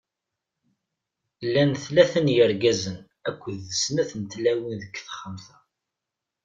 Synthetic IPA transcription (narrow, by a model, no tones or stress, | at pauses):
lːænθlæθənjəɾɡæzən | ækʷːðəsnæθənt̪læwinðəkːθχəmθæ